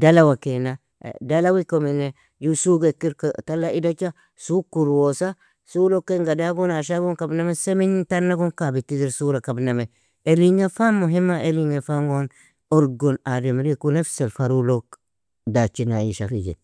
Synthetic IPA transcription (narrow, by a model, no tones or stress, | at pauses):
dalawakena̰ | dalawikomine | jusuɡekːiɾktalːaidat͡ʃa | sukuɾwosa | sulokːeŋɡadaɡonaʃ̬aɡonkabnamesemiɲitanːaɡonkabitidiɾsuɾakabname | eliɲefamːuɦimːaʔeliŋefaŋɡon | oɾɡonademɾekunefselfaɾulok | dat͡ʃinajiʃafid͡ʒḛ